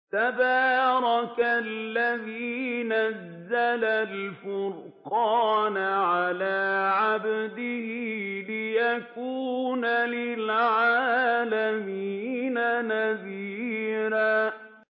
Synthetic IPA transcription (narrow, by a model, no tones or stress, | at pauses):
t̪abɑːɾˤɑkalːaðiːnazːalalfʊɾ | qɑːnʕalaːʕabd̪ɪhilɪjakuːnalɪlʕaːlamiːnanaðiːɾaː